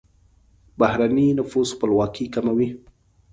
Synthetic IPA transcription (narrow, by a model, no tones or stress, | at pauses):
bahɾaninʊfuzxpəlwɑkikamawi